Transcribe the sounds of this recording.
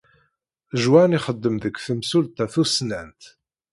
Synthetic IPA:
ʒwaʕniχəd̪ːəmðəkːθəmsult̪æθusnænt̪

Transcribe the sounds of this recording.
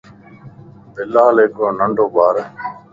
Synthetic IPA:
bɪlːaːleːkoːnəɳɖoːbaːɾ

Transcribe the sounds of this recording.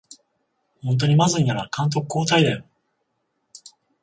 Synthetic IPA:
hõnt̪̬o̞ɲ̟imazɨɲ̟inaɾakãnt̪̬o̞kɯ̟̥kːo̞ːt̪aid̪e

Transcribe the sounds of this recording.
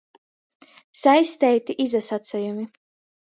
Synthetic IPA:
sajst̪ɛjt̪iʔizasat̪sajumi

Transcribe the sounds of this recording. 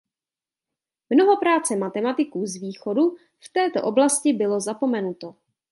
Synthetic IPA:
mno̞ɦo̞pɾaːt͡sɛmat̪ɛmat̪ɪkuːzviːxo̞du | ft̪ɛːt̪o̞̰ʔoblascɪbɪlo̞zapo̞mɛnut̪o̞

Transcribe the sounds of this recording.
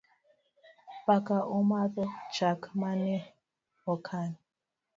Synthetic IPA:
ɸakaʔumaðɔ̥d͡ʒ̥akmanɛ | ɔkʰani

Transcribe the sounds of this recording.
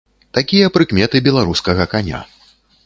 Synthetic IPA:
t̪akʲijɐpɾɨkmʲɛt̪ɨbʲɛlˠaɾuskɐɣɐkanʲa̰

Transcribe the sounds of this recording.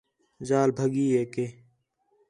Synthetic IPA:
zaːlbʱəɡiːeːkeː

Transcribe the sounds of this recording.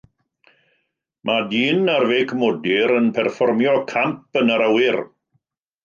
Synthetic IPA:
mʔadiːnarvejkʰmɔdɪɾənpʰɛrfɔrmjɔkʰampənəɾəwɪr

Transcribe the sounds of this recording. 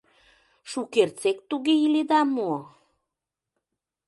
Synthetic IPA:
ʃukert͡sek̚t̪uɣeiled̪ɑmo

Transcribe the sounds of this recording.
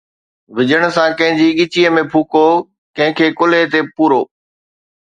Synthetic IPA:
ʋɪd͡ʑəɽ̃sãkɐ̃ɦɪ̃ɲd͡ʑiɠɪt͡ɕiːəmẽpʰuːko | kɐ̃ɦɪ̃kʰeːkʊlet̪̬epuːɾo̰ː

